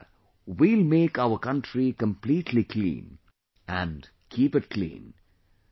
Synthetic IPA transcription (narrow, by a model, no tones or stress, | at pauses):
wilmeːkaʊəkʌ̃nʈɾikə̃mpliːʈʰlikʰlḭ̃ːn | æ̃n | kʰiːpɨʈ̚kʰlḭ̃ːn